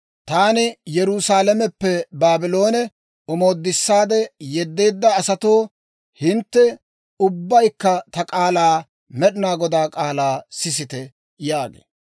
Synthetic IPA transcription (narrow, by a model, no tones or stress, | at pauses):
t̪aːnɪjɛɾʊsaːlɛmɛpːɛbaːbɪlo̞ːnɛ | ɔmo̞ːd̪ːɪsːaːd̪ɛjɛd̪ːe̞ːd̪ːɐːsɐt̪oː | hɪnt̪ːɛ | ʊbːɐjkːɐt̪ɐkʼaːlaː | mɛɗɪnaːɡɔd̪aːkʼaːlaːsɪs̬ɪt̪ɛ | jaːɡḛː